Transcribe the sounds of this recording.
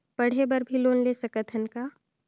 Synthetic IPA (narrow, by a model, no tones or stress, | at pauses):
pɐɽ̤ebəɾbʱiloːnleːsəkət̪ʰənkaː